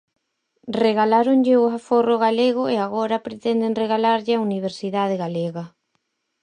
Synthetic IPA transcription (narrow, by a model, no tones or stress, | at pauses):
reɣalaɾoŋʎɪʊaforoɣaleɣʊeaɣɔɾɐpɾet̪ɛnd̪eŋreɣalaɾʎɪauniβ̞eɾsiðaðeɣaleɣɐ